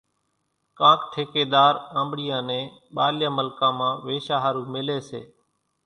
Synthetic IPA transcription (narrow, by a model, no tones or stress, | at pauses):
kãːkʈʰeːkeːd̪aːɾə̃ːmbɽijãːnẽː | ɓaːljãːməlkãːmãːʋeːʃaːɦaːɾũːmɪleːsḛː